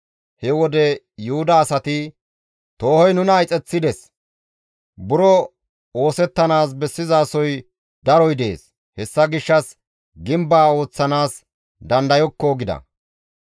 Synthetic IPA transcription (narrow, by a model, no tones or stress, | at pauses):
hɛwɔd̪ɛ | jʊhʊd̪ɐːsɐt̪ɪ | t̪o̞ːhɔjnʊnɐjt͡sʼɛt͡sːɪd̪ɛs | bʊɾɔ | o̞ːsɛt̪ːɐnaːs̬bɛsːɪzaːsɔj | d̪ɐɾɔjd̪e̞̰ːs | hɛsːɐɡɪʃːɐs | ɡɪmbaːo̞ːt͡sːɐnaːs | d̪ɐnd̪ɐjɔkːɔɡɪd̪ɐ̰